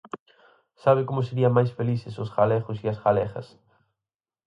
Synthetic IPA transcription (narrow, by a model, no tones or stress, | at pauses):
saβ̞ɪkomʊs̬eɾiɐmajsfeliθɪsʊsɣalɛɣʊsiɐsɣalɛxɐ̰s